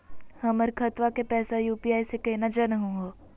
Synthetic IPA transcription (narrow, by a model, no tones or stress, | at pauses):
hɐməɾkʰɐt̪ʋakepɛːsajuːpiːaːisekɐɦinad͡ʒɐnɦũɡoː